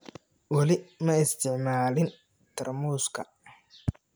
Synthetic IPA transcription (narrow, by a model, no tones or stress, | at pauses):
wɐlɪmɐɪst̪ʰɪʕmaːlɪn | t̪ʰɐrmuːskʰɐ̰